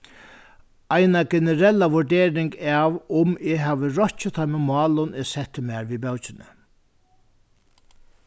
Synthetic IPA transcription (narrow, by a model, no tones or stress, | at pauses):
ajnaɡɛnəɾɛlːaʋʊɹdeːɾɪŋkaːʋʊmɪɦæːʋəɾɔht͡ʃɪt̪ʰamɪmɑːlʊnesɛt̪ːɪmæːɹʋibœwt͡ʃɪnə̰